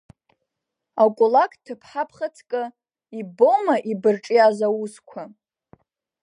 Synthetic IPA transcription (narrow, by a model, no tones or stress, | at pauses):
akʷʼulakʼtʰɨpʰħapʰχat͡sʰkʼɨ | ibomaʔibɨrʈ͡ʂʼiazawuskʷʰa